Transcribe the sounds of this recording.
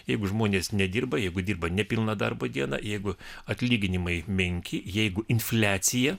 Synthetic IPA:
jɛɪɡʊʒmoːnʲeːsnʲɛd̪ʲiːrbɐjɛɪɡʊd̪ʲiːrbɐnʲɛpʲɪlˠnɐd̪ɐrboːd̪ʲiɛnɐ̰jɛɪɡʊɐt̪ʲlʲiːɡʲɪnʲɪmɐɪmʲɛŋʲkʲʰɪjɛɪɡʊɪnfʲlʲæːt̪sʲɪjɛ

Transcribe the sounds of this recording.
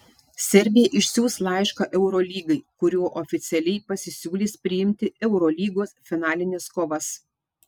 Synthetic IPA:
sʲɛɾʲbʲɪjɛʔɪʃʲsʲuːslˠɐɪʃkɐʔɛʊɾoːlʲiːɡɐɪkʊɾʲuɔːʔɔfʲɪt̪sʲɛlʲɛɪpɐsʲɪsʲuːlʲiːspʲɾʲɪjɪmʲt̪ʲɪɛʊɾolʲiːɡoːsfʲɪnɑːlʲɪnʲɪskoːʋɐs

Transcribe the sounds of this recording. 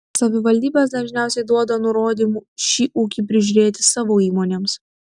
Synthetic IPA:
sɐʋʲɪʋɐlʲd̪ʲiːbʲes̬d̪ɐʒʲnʲæˑʊsʲɛɪd̪uɔd̪ɐnʊɾoːd̪ʲiːmuʃʲiːʔuːkʲipʲɾʲɪʒʲʊɾʲeːt̪ʲɪsɑːʋoːiːmoːnʲeːms

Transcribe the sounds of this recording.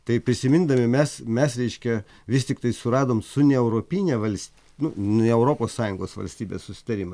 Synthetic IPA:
t̪ɐɪpʲɾʲɪsʲɪmʲɪnd̪ɐmʲɪmʲɛsmʲɛsɾʲɛɪʃʲkʲɛ | ʋʲɪsʲt̪ʲɪkt̪ɐɪsʊɾɑːd̪oːmsʊnʲɛɛʊɾoːpʲinʲɛʋɐlʲsʲt̪ʲ | nʊnʲɛɛʊɾoːpoːssɑːjʊŋɡoːsʋɐ̰lʲsʲt̪ʲiːbʲeːssʊsʲɪ̥t̪ɐɾʲimɐ

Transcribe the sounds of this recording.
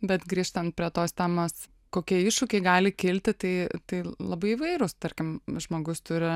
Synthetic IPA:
bʲɛt̪ɡɾʲiːʃt̪ɐnt̪̚pʲɾʲiɛt̪oːst̪ʲæːmoːs | koːkʲiɛɪʃʊkʲeɪɡɑːlʲɪkʲɪlʲt̪ʲɪt̪ɐɪt̪ɐɪlˠɐbɐɪɪʋɐɪɾʊst̪ɐɾʲkʲɪmʒmoːɡʊst̪ʊɾʲɪ

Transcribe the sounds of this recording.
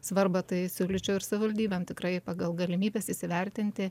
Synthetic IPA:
sʋɐɾbɐt̪ɐɪsʲuːlʲɪt͡ʃʲɛʊɪɾsɐʋʲɪʋɐlʲd̪ʲiːbʲɛmt̪ʲɪkɾɐɪpɑɡɐlˠɡɐlʲɪmʲiːbʲeːsɪsʲɪʋʲɛɾʲt̪ʲɪnʲt̪ʲɪ

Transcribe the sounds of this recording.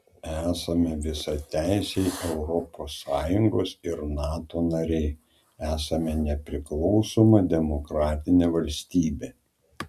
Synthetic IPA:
æːsɐmʲɛʋʲɪsɐt̪ʲæɪsʲeɪʔɛʊɾɔposːɑːjʊŋɡoːsɪɾnɑːt̪oːnɐɾʲɛɪ | æːsɐmʲɛnʲɛpʲɾʲɪklˠɒʊsoːmɐd̪ʲɛmɔkɾɑːt̪ʲɪnʲeːʋɐlʲsʲt̪ʲiːbʲeː

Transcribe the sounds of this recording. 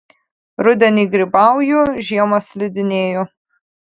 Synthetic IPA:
ɾʊd̪ʲɛnʲiːɡɾʲɪbɑˑʊjuʒʲiɛmɐslʲɪd̪ʲɪnʲeːjɔ

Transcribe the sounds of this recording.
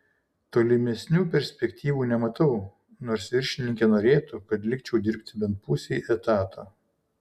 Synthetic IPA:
t̪oːlʲɪmʲɛsʲnʲuːpʲɛɾʲsʲpʲɛkʲt̪ʲiːʋuːnʲɛmɐt̪ɐʊ | noːɾsʋʲɪɾʲʃʲɪnʲɪŋʲkʲɛnoːɾʲeːt̪ukɐt̪lʲɪk̚t͡ʃʲɛʊd̪ʲɪɾʲpʲt̪ʲbʲɛnt̪̚pʊsʲɛʔɛt̪ɑːt̪ʰoː

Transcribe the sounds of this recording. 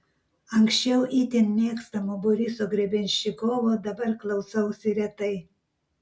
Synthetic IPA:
ɐŋksʲt͡ʃʲɛʊʔiːt̪ʲɪnmʲeːkst̪ɐmoːbɔɾʲisoːɡɾʲɛbʲɛnʲʃʲɪkoːʋoːd̪ɐbɐɾklˠɐʊsɐʊsʲɪɾʲɛt̪ɐɪ

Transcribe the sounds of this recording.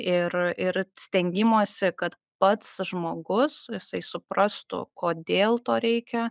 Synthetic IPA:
ɪrɪɾsʲt̪ʲɛŋʲɡʲɪmoːsʲɪkɐt̪ | pɐt̪sʒmoːɡʊsjɪsɐɪsʊprɐst̪ʊ̰koːd̪ʲeːlˠt̪oːɾʲɛɪkʲɛ

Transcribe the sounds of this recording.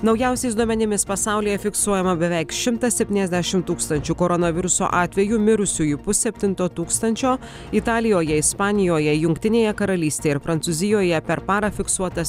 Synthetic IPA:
nɒʊjæˑʊsʲɛɪsd̪uɔmʲɛnʲɪmʲɪspɐsɑˑʊlʲiːjɛfʲɪksuɔjɛmɐbʲɛʋʲɛɪkʃʲɪmt̪ɐsʲɛpʲt̪ʲiːnɛzd̪ʲæʃʲɪmt̪uːkst̪ɐnʲt͡ʃʲukoːɾɔnɐʋʲɪɾʊso̰ʔɑːt̪ʲʋʲɛjumʲɪɾʊsʲujʊpʊssʲɛpʲt̪ʲɪnt̪oːt̪uːkst̪ɐnʲt͡ʃʲoː | ɪt̪ɑːlʲɪjoːjɛɪspɑːnʲɪjoːjɛjʊŋkt̪ʲɪnʲeːjɛkɐɾɐlʲiːst̪ʲeːjɛɪɾpɾɐnt̪sʊzʲɪjoːjɛpʲɛɾpɑːɾɐfʲɪksuɔt̪ɐs

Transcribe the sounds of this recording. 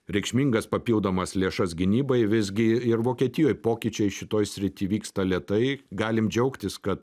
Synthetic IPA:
ɾʲɛɪkʃʲmʲiːŋɡɐspɐpʲiːlˠd̪oːmɐslʲeːʃɐsɡʲɪnʲiːbɐɪʋʲɪzʲɡʲɪɪɾʋoːkʲiɛt̪ʲɪjoːjpoːkʲɪt͡ʃʲɛɪʃʲɪt̪oːjsʲɾʲɪt̪ʲiːʋʲiːkst̪ɐlʲeɛt̪ɐɪɡɑːlʲɪmd͡ʒʲɛʊkt̪ʲɪskɐt̪

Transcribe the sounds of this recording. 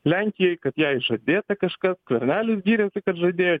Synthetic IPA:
lʲæŋʲkʲɪjɛjkɐt̪jɛjʒɐd̪ʲet̪ɐkɐʃkɐskvʲerʲnʲælʲɪsɡʲiɾʲɛsɨkɐt̪ʒɐd̪ʲejo

